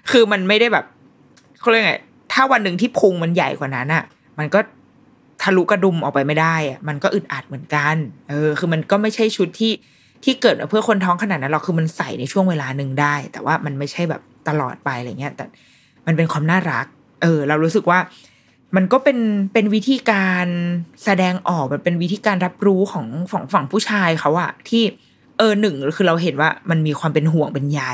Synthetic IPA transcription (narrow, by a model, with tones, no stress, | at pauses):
kʰɯː˧ma˧nma˥˩jda˥˩jbɛː˨˩p̚ | kʰa˥˩˧ŋa̰˦˩ | t̪ʰaː˥˩wa˧nːɯ˨˧ŋt̪ʰiː˥˩pʰu˧ŋma˧nja˨˩jkʰwaː˨˩na˦˥nʔa˨˩ | ma˧nkɔː˥˩ | t̪ʰaː˧˥˩lu˦˥ka˧du˧mʔɔː˨˩k̚pa˧jma˥˩jdaː˥˩jʔa˨˩ma˧nkɔː˥˩ʔɯ˨˩ʔaː˨˩t̪̚mɯ˩˦ə˦nka˧nʔɤː˧kɯː˧ma˧nkɔː˥˩ma˥˩jt͡ɕʰa˥˩jt͡ɕʰu˦˥t̪ʰːiː˥˩ | t̪ʰiː˥˩kɤː˨˩t̪̚ma˨˩pʰɯ˥˩ɐkʰo˧nt̪ʰɔː˦˥ŋkʰa˧a˨˩t̪̚na˦˥ɾla˧˩wkʰɯː˧ma˧nsa˨˩jna˧jt͡ɕʰu˥˩əŋweː˧laː˧nɯ˨˧ŋdaː˥˩jt̪ɛ̰˨˩wʔaː˥˩ma˧nma˥˩jt͡ɕʰa˥˩jbɛ̰˨˩p̚t̪a˧lɔ̰ː˨˩t̪̚pa˧jla˧˩˨ŋi˦˥ɐ˧t̪ɛ̰ː˨˩ | ma˧np̬e˧nkʰwaː˧mnaː˥˩ɾa˦˥k̚ | ʔɤː˧ɾa˧wɾuː˦˥sɯ˨˩k̚waː˥˩ | ma˧nkɔː˥˩pe˧npe˧nwi˦˥t̪ʰiː˧kaː˧nsa˧dɛː˧ŋʔɔː˨˩k̚ma˨˩pe˧nwi˦˥t̪ʰiː˧kaː˧nɾa˦˥p̚ɾuː˦˥kʰɔː˩˦ŋfɔ̰ː˩˦ŋfa˨˩˦ŋpʰuː˥˩t͡ɕʰaː˧jxʰa˦˥wʔa˨˩t̪ʰiː˥˩ | ʔɤː˧nɯ˨˩ŋkʰɯː˧ɾa˧wɦe˩˦nwaː˥˩ma˧nmiː˧kʰwaː˧mpe˧nɦu˨˩əŋpe˧nja˧